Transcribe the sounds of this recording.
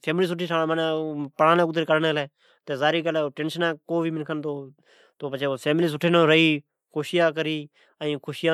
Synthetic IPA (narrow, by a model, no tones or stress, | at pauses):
pʰeːmliːs̬ʊʈʰːiːʈʰaːñːmənẽːpəɽãːlẽːkʊd̪ɾeːkəɽneːlɛː | t̪eːzaːɾiːkəlɛːʈeːnʃənãːkoːʋiːmɪnkʰənt̪oː | t̪oːbət͡ʃeːpʰeːmliːs̬ʊʈʰeːnõɾəiː | kʰoːʃɪjaːkəɾiː | əĩːkʰoːʃɪjãː